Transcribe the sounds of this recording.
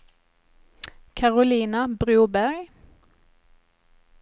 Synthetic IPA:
kʰɑʁʊliːnabʁʉːbæʁɡ

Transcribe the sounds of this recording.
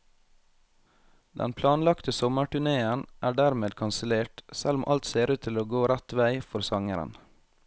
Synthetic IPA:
d̪ɛ̰npʰlɑːnlɑkt̪əsɔməʈʉɳeːənʔæːɖæːɾmeːd̪kʰɑnsəleːʈsælʊmʔɑ̰lt̪seːɾʉːt̪ʰɪloːɡoːɾæt̪ʋæɪfɔɾsɑŋəɾə̰n

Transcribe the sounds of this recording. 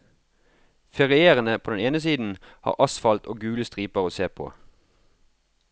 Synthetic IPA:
fɛʁɪeːʁənəpʰoːd̪ɛneːnəsiːd̪n̩ | hɑ̰ːʁʔɑsfɑlt̪o̰ːɡʉːləst̪ʁiːpəʁoːseːpʰo̰ː

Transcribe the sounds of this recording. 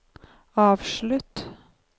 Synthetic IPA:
ɑːʋʃɭʉt̪

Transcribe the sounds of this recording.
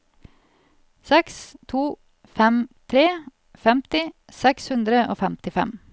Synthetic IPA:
sɛkst̪ʰuː | fɛmt̪ʰɾeː | fɛmt̪ɪ | sɛkshʉnd̪ɾəʔo̰ːfɛmt̪ɪfɛ̰m

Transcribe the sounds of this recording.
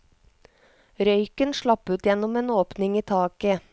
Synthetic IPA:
ɾœʏkənʃɭɑpʉːt̪jɛnɔmeːnoːpnɪŋiːt̪ʰɑːkə

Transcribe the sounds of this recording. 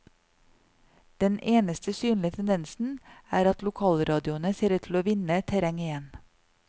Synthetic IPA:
d̪̥ɛneːnəst̪ʰəsyːnlɪət̪ʰɛnd̪ɛnsn̩æːɾɑt̪lʊkʰɑːlɾɑːd̪ɪʊənəseːɾəʈʰl̩oːʋɪnət̪ʰæɾɛŋɪjɛn

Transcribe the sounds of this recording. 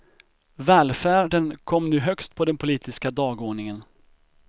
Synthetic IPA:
vɛːlfæːɖənkʰɔmːnʉ̟ːɦœkst̪̚pʰɔd̪ɛnpʰʊliːt̪ʰɪskad̪ɑːɡoːɳɪŋən

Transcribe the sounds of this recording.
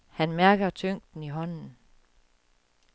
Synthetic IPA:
hænmæɐɡ̥ɐt͡sʰøŋ̰d̥n̩iɦɒ̽n̰n̩

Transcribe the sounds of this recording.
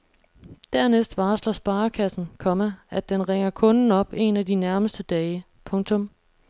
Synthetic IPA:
d̥æɐnesd̥ʋɑ̈ːslɒsb̥ɑ̈ːkʰæsn̩kʰɒ̽məæd̥enʁeŋ̰ɐkʰɔ̽nn̩ɒ̽b̥e̝næd̥inæɐməsd̥əd̥ɛːɪ | pʰɔ̽ŋt͡sʰɔ̽m

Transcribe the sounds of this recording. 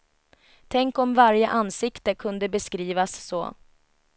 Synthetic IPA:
t̪ʰɛŋkɔmvaɾjəʔansɪkt̪əkʰɵnd̪əbɛskɾiːvasːo̰ː

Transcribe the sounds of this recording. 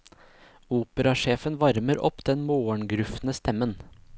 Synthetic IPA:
uːpəɾɑʂeːfənʋɑɾməɾʔɔ̰pd̪̥ɛnmoːəɳɡɾʉfnəst̪ʰɛmən

